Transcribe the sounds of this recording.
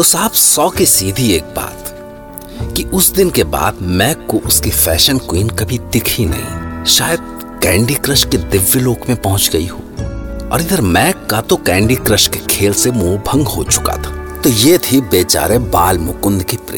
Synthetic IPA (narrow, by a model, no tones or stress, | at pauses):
t̪osaːbsɔːkisiːd̪ʱieːk̚ba̰ːt̪ | kiʊsd̪ɪnkeba̰ːd̪mɛːkːoʔʊskifɛːʃənkwiːnkɐbʱit̪ɪkʰinɐ̰ɦḭ̃ʃaːjəd̪̚ | kɛ̃ːɳɖikɾəʃked̪ɪʋːəloːkmẽpɐɦʊ̃t͡ʃɡɐḭɦo̰ːɔ̰ːɾɪd̪əɾmɛːkːat̪okɛ̃ːɳɖikɾəʃkekʰeːlsemoːbʱɐ̃ŋɡɦot͡ʃʊ̥ka̰t̪ʰḁːt̪ojeːt̪ʰibeːt͡ʃa̰ːɾẽbaːlmʊkʊnd̪kipɾḛː